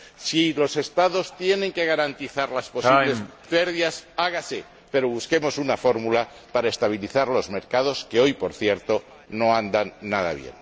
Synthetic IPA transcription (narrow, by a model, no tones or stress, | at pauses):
silo̞se̞st̪aðo̞st̪je̞nẽ̞ŋke̞ɣ̞aɾant̪iθaɾlaspo̞siβlespe̞ɾðiasaɣase | pe̞ɾo̞βuske̞mo̞sunafo̞ɾmula | paɾae̞st̪aβ̞iliθaɾlo̞zme̞ɾkaðo̞ske̞o̞jpo̞ɾθje̞ɾt̪o̞ | no̞and̪anːað̞a̰β̞je̞̰n